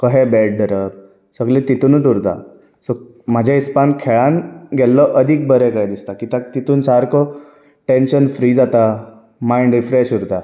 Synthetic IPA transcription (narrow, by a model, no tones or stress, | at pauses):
kəɦɛbɛɖɖəɾəb̚ | səɡlet̪it̪uːnət̪̬uɾt̪a̰ | sɔ | mad͡ʑʱaispankʰɛɭanɡɛlːɔʔəd̪ʱiːk̚bəɾɛkaɦjd̪ist̪akit̪ãkt̪it̪uːnsaɾkɔ | ʈenɕənfɾiːd͡zat̪a | maiɳɖɾifɾeɕuɾt̪a